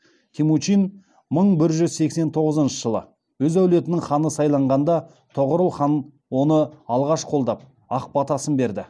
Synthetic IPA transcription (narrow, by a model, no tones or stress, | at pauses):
kʲʰimut͡ʃin | məɴbɪɾʒʏzse̞kse̞nt̪ʰo̞ʁəzənʃəʒəlˠə̰ | wɵzæwle̞t̪ɪnɪŋχɑnəsɑjlˠɑɴʁɑnd̪ɑ | t̪ʰoʁəɾəlˠχɑn | wo̞nəɑlˠʁɑʃqʰo̞lˠd̪ɑp̚ | ɑq̚pɑt̪ɑsənbe̞ɾd̪ɪ